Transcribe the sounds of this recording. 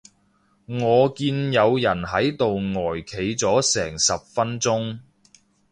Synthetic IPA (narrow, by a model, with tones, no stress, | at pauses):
ŋɔː˨˧kiː˧njɐ˨˧wjɐ˨˩nɦɐ˨˥jt̪o˨wŋɔː˨˩jkʰe˨˧jt͡sɔː˨˥sɛː˨˩ŋsɐ˨p̚fɐ˥nt͡sʊ˥ŋ